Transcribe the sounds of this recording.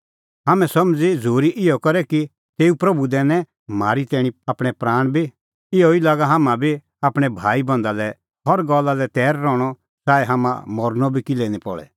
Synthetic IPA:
ɦaːmɛ̃sɐmd͡zid͡zʱoːɾiʔɪjɔkɐɾɛki | t̪eːupɾɐbud̪ɛːnɛ̃ | maːɾit̪ɛːɽ̃ĩaːpɽ̃ɛpɾaːɽ̃bʱi | ɪɔilaːɡaɦaːmãbʱi | aːpɽ̃ɛbʱaːibɐ̃nd̪alɛ | ɦɔɾɡɔlːalɛt̪ɛːɾːɔːɽ̃ɔ | saːɛɦaːmã̰mɔɾnɔbʱikilenipɔ̰ɭɛ̰

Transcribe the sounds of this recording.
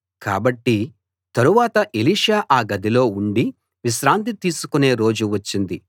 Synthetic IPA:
ka̰ːbɐʈːi | t̪ɐɾuʋaːt̪ɐʔeliːʂaːʔaːɡɐd̪ilo̞ːuɳɖi | ʋiʃɾaːnt̪it̪iːsu̥kune̞ːɾo̞ːd͡ʒuʋɐt͡ʃːind̪i

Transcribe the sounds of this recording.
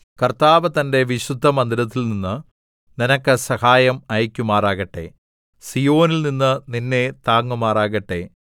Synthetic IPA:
kɐrt̪aːʋɐt̪ɐnde̞ʋiɕud̪ʱːɐmɐnd̪iɾɐt̪̬ːilninːɨ | ninɐkːɨsɐhaːjɐmɐjkʲːumaːraːɣɐʈːe̞̰ | sijo̞ːnilninːɨninːet̪aːŋːumaːraːɣɐʈːe̞̰

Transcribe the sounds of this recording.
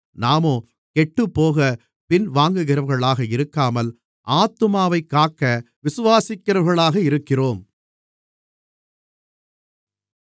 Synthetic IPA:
naːmoː | kɛʈːɯpːoːɣɐ | pɪnʋaːŋɡɯɣɪɾɐʋɣɐɭaːɣɐɪɾɯkːaːmɐl | ʔaːt̪ːɯmaːʋɐɪkːaːkːɐ | ʋɪsɯʋaːsɪkːɪɾɐʋɣɐɭaːɣɐɪɾɯkːɪroːm

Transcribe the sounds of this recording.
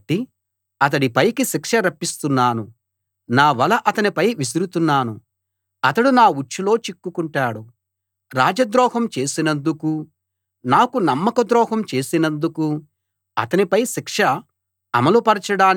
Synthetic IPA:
ʈːi | ɐt̪̬ɐɽipɐjkiʃikʂɐɾɐpːist̪unːaːnu | naːʋɐlɐʔɐt̪ɐnipɐjʋis̬iɾut̪unːaːnu | ɐt̪ɐɽunaːut͡ʃːulo̞ːt͡ʃikːukuɳʈaːɽu | ɾaːd͡ʒɐd̪ɾɔːhɐmt͡ʃe̞ːsinɐnd̪uku | naːkunɐmːɐkɐd̪ɾɔːɦɐmt͡ʃe̞ːsinɐnd̪uku | ɐ̰t̪ɐnipɐjʃikʂɐ | ɐ̰mɐlupɐɾɐt͡ʃɐɽaːn

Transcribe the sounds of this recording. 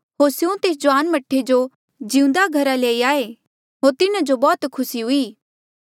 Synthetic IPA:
ɦoːɾsjõt̪eːs̬d͡ʒʊʋaːnmɐʈʰːed͡ʒo | d͡ʒĩːũnd̪aɡʱɐɾaleːiaːe | ɦoːɾt̪ɪnad͡ʒobɔːt̪kʰʊsiɦʊiː

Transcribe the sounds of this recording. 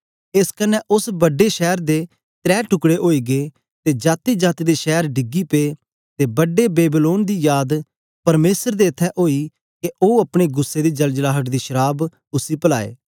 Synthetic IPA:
ɪskɐnːɛ̃ʔʊsbɐɖːeʃɛːɾd̪e | t̪ɾɛːʈʰʊkɽeʔoːiɡeː | t̪ed͡ʒaːt̪id͡ʒaːt̪id̪eʃɛːɾɖɪɡːipeː | t̪ebɐɖebeːbiloːnd̪ijaːd̪ | pɐɾmeːsəɾd̪eɐt̪ʰːɛʔoːi | keʔoːɐpɽ̃eɡʊsːed̪id͡ʒɐld͡ʒlaːɦəʈd̪iʃəɾaːb | ʊsipɐla̰ːḛː

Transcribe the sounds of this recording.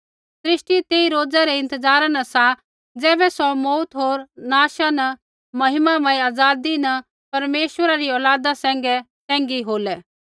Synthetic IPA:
sɾɪʃʈit̪eːiɾoːd͡zaɾɛɪ̃nt̪əd͡zaːɾanɐsa | d͡zɛːbɛsɔmɔut̪ɦoːɾnaːʃanɐ | mɐɦɪmamãːiaːd͡zaːd̪inɐ | pɐɾmeːʃwəɾaɾiɔːlaːd̪asɛ̃ːŋ̆ɡɛ | sɛ̃ːŋɡiɦoːlɛ

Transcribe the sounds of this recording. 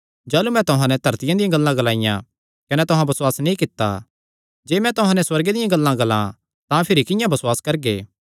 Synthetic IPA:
d͡ʒɐːlumɛ̃t̪ʊɦãnɛ̃d̪ʱɐɾt̪ɪjãd̪ɪjãɡɐlːãɡɐlaːɪjã̰ | kɐnɛt̪ʊɦãbɐswaːsnĩkɪt̪ːa̰ | d͡ʒeːmɛ̃t̪ʊɦãnɛswɐɾɡed̪ɪjãɡɐlːãɡɐlã̰ | t̪ãpʰɪɾikɪjãbɐsʊwaːskɐɾɡḛː

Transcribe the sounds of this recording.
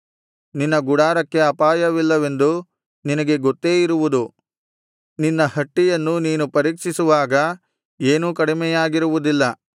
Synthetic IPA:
ninːɐɡuɽaːɾɐkːe̞ɐpaːjɐʋilːɐʋe̞nd̪u | ninɐɡe̞ɡot̪ːeːiɾuʋud̪u | ninːɐhɐʈːijɐnːuniːnupɐɾiːkʂisuʋaːɡɐ | eːnuːkɐɽimɛjaːɡiɾuʋud̪ilːɐ

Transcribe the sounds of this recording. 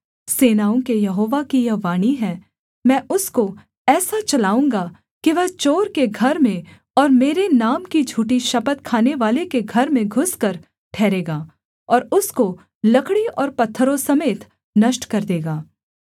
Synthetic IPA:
seːnaːũkejɐɦoːʋakijɐʋaːñiɦɛ̃ː | mɛ̃ːʔʊsko | ɛːsat͡ʃɐlaːũːŋɡa | kiʋɐt͡ʃoːɾkeɡʱɐɾmẽ | ɔːɾmeːɾenaːmkid͡ʒʱuːʈiʃɐpət̪̚kʰaːneʋaːlekeɡʱɐɾmẽɡʱʊskɐɾ | ʈʰɛːɾeːɡaː | ɔːɾʊsko | lɐkʰɽiɔːɾpɐt̪ʰːəɾõsɐmeːt̪ | nɐʃʈkɐɾd̪eːɡaː

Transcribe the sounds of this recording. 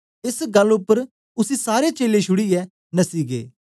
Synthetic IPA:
ɪsɡɐlʊpːəɾ | ʊsisaːɾet͡ʃeːleʃʊɽiɛː | nɐsiːɡḛː

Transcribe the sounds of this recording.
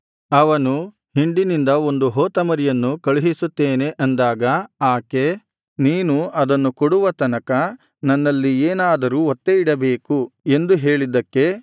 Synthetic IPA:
ɐʋɐnu | hiɳɖinind̪ɐo̞nd̪uɦoːt̪ɐmɐɾijɐnːukɐɭiɦisut̪ːeːne̞ʔɐnd̪aːɡɐaːke̞ | niːnuɐd̪ɐnːukɔɽuʋɐt̪ɐnɐkɐ | nɐnːɐlːieːnaːd̪ɐɾuɔt̪ːe̞iɽɐbe̞ːkue̞nd̪uɦe̞ːɭid̪ɐkːe̞

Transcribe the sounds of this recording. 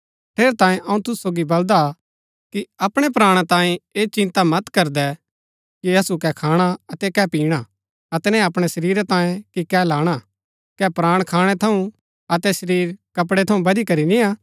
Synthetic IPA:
ʈʰeːɾt̪ãːẽʔɐũt̪ʊssoːɡibɐld̪a | kiɐpɽ̃ɛp̬ɾaːɽ̃at̪ãːẽeːt͡ʃɪ̃nt̪amɐt̪kɐɾd̪ɛ | kiɐsukɛkʰaːɽ̃aɐt̪ɛkɛpiːɽ̃a | ɐt̪ɛnɛ̃ɐpɽ̃ɛsɐɾiːɾɛt̪ãːjẽkikɛlaːɽ̃a | kɛpɾaːɽ̃kʰaːɽ̃ɛt̪ʰɐũ | ɐt̪ɛsɐɾiːɾkɐp̬ɽeɛt̪ʰɐũbɐd̪ikɐɾinĩa

